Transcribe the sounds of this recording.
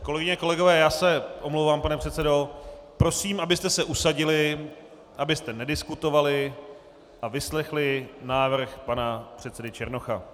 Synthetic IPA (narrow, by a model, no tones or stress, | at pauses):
ko̞lɛɡɪɲɛko̞lɛɡo̞vɛːjaːsɛʔomlowvaːmpanɛpr̥ɛt̪sɛdo̞pɾo̞siːmʔabɪst̪ɛsɛʔusaɟɪlɪ | ʔabɪst̪ɛnɛdɪskut̪o̞valɪ | ʔavɪslɛxlɪnaːvr̩xpanapr̝̥ɛt̪sɛdɪt͡ʃɛɾno̞xa